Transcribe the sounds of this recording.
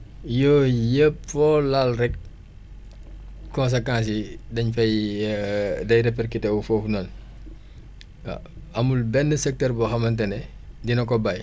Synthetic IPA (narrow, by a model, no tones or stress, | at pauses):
jɔːjəpfɔlalrɛk̚ | kɔ̃ns̬ekãːns̬idɐɲfɐj | dɐjɾɛp̬ɛrkitɛwufoːfunɐn | ɐmulbɛnːəsɛk̚tɛrbɔxɐmɐntɛnɛ | dinɐkɔbaj